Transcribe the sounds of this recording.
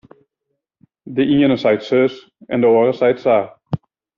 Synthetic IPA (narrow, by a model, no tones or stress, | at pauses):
dəʔiənəsɛjtsøs | ɛ̰ndəoəɾəsɛjtsa